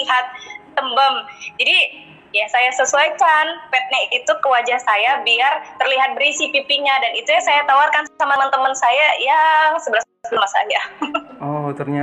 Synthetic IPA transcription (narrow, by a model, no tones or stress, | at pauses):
iɦat̪̚ːəmbəmd͡ʒadi | jasajasəsuajt͡ʃanpɛt̪̚nait̪ukəwad͡ʒahsajabiart̪ərliɦat̪̚bəɾisipipiɲadanit̪ujasajat̪awarkansamamant̪əmənsajajasəbəɾas | səmasa̰jaɔt̪ərɲa